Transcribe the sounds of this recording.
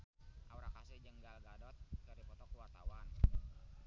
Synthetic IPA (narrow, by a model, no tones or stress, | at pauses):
ʔauɾakasɪd͡ʒəŋɡalɡadɔt̪̚kəɾipɔt̪ɔkuwart̪a̰wan